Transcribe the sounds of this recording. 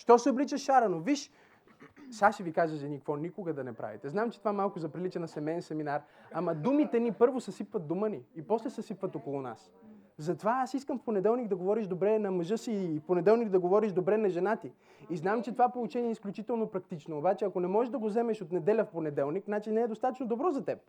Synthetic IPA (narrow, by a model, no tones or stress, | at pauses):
ʃt̪ɔsɛoblit͡ʃəʃʃaɾɐnoviʃ | saʃivikazəʒɛnikvɔnikʊɡɐd̪ɐnɛpɾa̰vḭt̪ɛznamt͡ʃɛ̥t̪ovamalˠkʊzɐpɾilit͡ʃɛnɐsɛmɛjɛnsɛminaɾamɐd̪umit̪ɛnipɤɾvosɛsipvɐt̪̚d̪uməniːpɔslɛsɛsipvɐt̪ɔkolˠʊna̰s | zɐt̪ovaasiskəmfponɛd̪ɛlˠnikd̪ɐɡovɔɾiʃd̪obɾɛnɐməʒɤsifponɛd̪ɛlˠnikd̪ɐɡovɔɾiʃd̪obɾɛnɐʒɛnat̪i | iznamt͡ʃɛt̪ovapolˠut͡ʃɛniɛisklʲut͡ʃit̪ɛlˠnopɾɐk̚t̪it͡ʃnoːbat͡ʃɛɐkonɛmɔʒɛʒd̪ɐɡozɛmɛʃot̪nɛd̪ɛlʲəfponɛd̪ɛlˠniknat͡ʃinɛɛd̪ost̪at̪ət͡ʃnod̪obɾɔzɐt̪ɛp̚